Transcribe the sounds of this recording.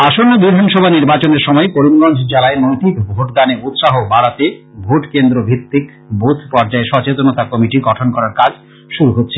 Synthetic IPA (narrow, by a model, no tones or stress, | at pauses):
aʃonːod̪ud̪ʱanʃɔbʱaniɾbat͡ɕoneɾʃɔmɔekoɾimɡɔnd͡ʑʱd͡ʑalaemojt̪ikbʱoʈd̪aneut̪ʃaɦobaɽat̪ebʱoʈkend̪ɾobʱit̪ːik | bot̪ʰpɔɾd͡ʑaeʃɔt͡ɕet̪onot̪akɔmiʈiɡɔʈʰonkɔɾaɾkad͡ʑʱ | ʃuɾuɦotːɕʰe